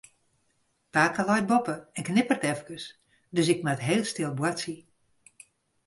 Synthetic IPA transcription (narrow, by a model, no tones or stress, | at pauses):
paːkəlɔj̚bɔpəɛnknɪpərtɛfkəs | døs̬ɪkmatɦeːlˠstɪlˠbwasi